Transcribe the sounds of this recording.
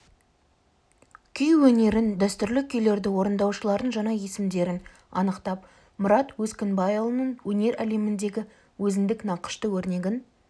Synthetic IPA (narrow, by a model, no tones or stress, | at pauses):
kʲʰʏjwɵne̞ɾɪnd̪æst̪ʏɾlɪkʲʰʏjle̞ɾd̪ɪwo̞ɾənd̪ɑwʃəlˠɑɾənʒɑnɑje̞sɪmd̪e̞ɾɪn | ɑ̰nəqt̪ɑp | mʊɾɑt̪wɵskʲɪnbɑjovˠnəɴwɵne̞ɾæle̞mɪnd̪e̞ɡʲɪ | wɵzɪnd̪ɪknɑqə̥ʃt̪əwɵɾne̞ɡʲɪn